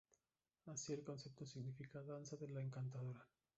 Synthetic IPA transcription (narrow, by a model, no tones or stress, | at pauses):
asie̞lko̞nse̞p̚t̪osiɣnifikaðansaðelaeŋkant̪aðoɾa